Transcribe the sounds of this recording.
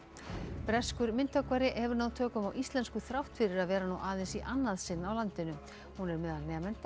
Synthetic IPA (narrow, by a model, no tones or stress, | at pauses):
pɾɛskʏɾmɪnt̪œkvaɾɪʔhɛvʏɾnaːwt̪ʰœːkʏmawʔist̪lɛnskʏθɾawht̪fɪɾɪɾaðvɛːɾanuʔaːðɪnsiʔanːaðsɪnːawlant̪ɪnʏ | hunɛɾmɛðanːɛːmɛnt̪a